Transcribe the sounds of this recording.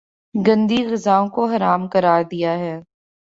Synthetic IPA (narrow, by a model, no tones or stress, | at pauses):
ɡɐ̃nd̪iɣɐzaːõkoɦɐɾaːmkɐɾaːɾd̪ijaɦɛː